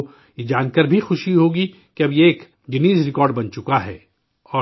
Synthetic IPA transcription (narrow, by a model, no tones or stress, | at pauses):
jed͡ʒaːnkəɾbʱixʊʃiɦoːɡi | kiɐbjeːk | ɡɪniːzɾɪkɔːɾɖbɐnt͡ʃʊkaɦɛː | ɔː